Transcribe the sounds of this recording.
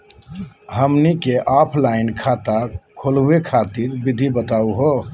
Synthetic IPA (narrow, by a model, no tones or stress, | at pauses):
ɦəmnikeʔapʰlaɪnkʰat̪akʰoluwekʰat̪iɾbɪd̪ʱibət̪auɦo